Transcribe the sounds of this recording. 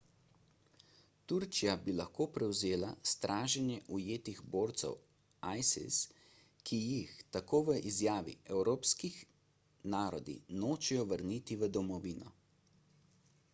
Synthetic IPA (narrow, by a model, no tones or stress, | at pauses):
t̪uɾt͡ʃijabilaxkoːpɾɛwzeːlast̪ɾʔaːʒɛnjɛʔujeːt̪iɣboːɾt̪sɛ̰w | ajsḭs | kʰijixt̪akoːʋəʔizjaːʋḭʔɛwɾoːpskix | naːɾɔd̪ḭnoːt͡ʃɛjɔʋəɾnit̪iʋəd̪ɔmɔʋiːnɔ̰